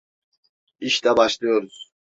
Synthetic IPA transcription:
iʃt̪ɛbaʃlˠɯjo̞ɾuz̥

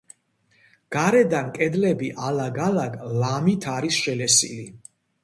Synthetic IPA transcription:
ɡ̥aɾɛd̪ankʼɛd̪lɛbiʔalaɡalaɡlamit̪ʰaɾisʃɛlɛsḭli

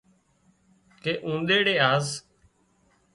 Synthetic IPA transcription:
keːʔũːnd̪eːɽeːaːz

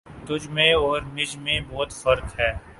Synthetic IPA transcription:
t̪ʊd͡ʒmẽɔːɾnɪd͡ʒmẽbɔːt̪fɐɾk̪ɦɛː

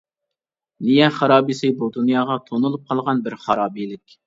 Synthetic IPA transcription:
nijɛχɑɾɑːbisɪbud̪unjɑːʁɑt̪ʰonulˠup̚qʰɑlˠʁɑnbɪɾχɑɾɑːbilɪkʲ

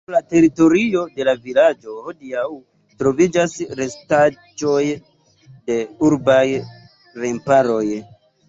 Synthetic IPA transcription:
late̞ɾito̞ɾio̞de̞lavilad͡ʒo̞hodiaw | tɾo̞vid͡ʒasɾe̞sta | d͡ʒo̞j | de̞uɾbaj | ɾempaɾo̞j

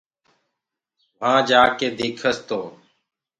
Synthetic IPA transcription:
ʋãːd͡ʒaːkeːd̪ɪːkʰəst̪oː

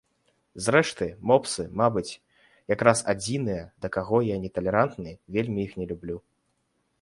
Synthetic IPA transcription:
zɾɛʂt̪ɨmɔpsɨmabɨt͡sʲ | jakɾasad͡zʲinɨjɐd̪ɐkaɣɔjanʲɛt̪ɐlʲɛɾant̪nɨjvʲelʲmʲiixnʲɛlʲublʲu

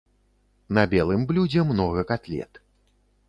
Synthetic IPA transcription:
nɐbʲɛlˠɨmblʲud͡zʲɛmnɔɣɐkat̪lʲɛ̰t̪

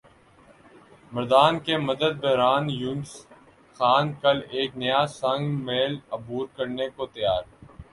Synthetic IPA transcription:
mɐɾd̪aːnkeməd̪əd̪̚bɛɦɾaːnjʊns | xaːnkɐleːknɐjasə̃ŋɡmeːləbuːɾkəɾnekot̪ɐjaːɾ

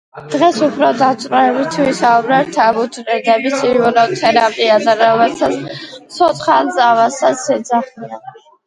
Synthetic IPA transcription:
d̪̥ʁɛsupʰɾɔd̪at̪sʼɾɔɛbit̪ʰvisaubɾɛt̪ʰabut̪ɾɛd̪ɛbisivɔnɔt̪ʰɛɾapʼiad̪aɾɔmɛsʰat̪ssʰɔt̪χalzʼavasasɛd̪zaχian

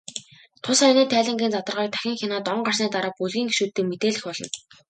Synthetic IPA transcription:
t̪ʰʊsaːiniːt̪ʰæːɮʲə̆ŋɡʲiːnt͡sat̪ə̆rʁaːk̚t̪ʰæ̥xʲɪ̆ŋxʲinaːt̪ɔɴɢarsniːt̪aɾaːp̚puɮɣiːŋeʃuːt̪ːɘ̆ːkmet̪eːɮɘ̆xpɔɮɞ̆n

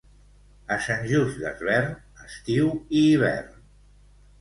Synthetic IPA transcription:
əsənʲʒuzd̪ə̰zβɛrn | əst̪iwiːβ̞ɛ̰rn

